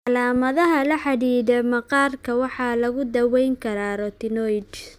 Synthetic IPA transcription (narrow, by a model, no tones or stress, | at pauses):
ʔɑlaːmɐðɐɦɐlɐħɑðiːðɛmɐqɑːrkʰɐwɑħɑːlɐɣʊd̪ɐwɛjŋkʰɐɾaːɾɔt̪ɪnɔjd